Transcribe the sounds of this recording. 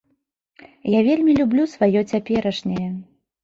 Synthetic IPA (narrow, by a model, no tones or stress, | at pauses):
javʲelʲmʲilʲublʲusvajɔt͡sʲapʲɛɾɐʂnʲɐjɛ